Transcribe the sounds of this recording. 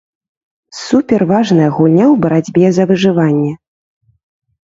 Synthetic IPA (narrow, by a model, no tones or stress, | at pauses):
supʲɛrvaʐnɐjɐɣulʲnʲawbɐɾad͡zʲbʲɛzɐvɨʐɨvanʲːɛ